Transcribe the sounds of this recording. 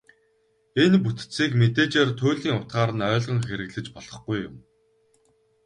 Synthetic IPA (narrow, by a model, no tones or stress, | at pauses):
enput̪t͡siːkmet̪eːt͡ɕeːrt̪ʰʊːɮiːŋʊt̪ɢaːɾə̆nœːɮʁə̆ŋxeɾɘ̆ɣɮɘ̆t͡ɕpɔɮɞ̆χɡujːʊ̰m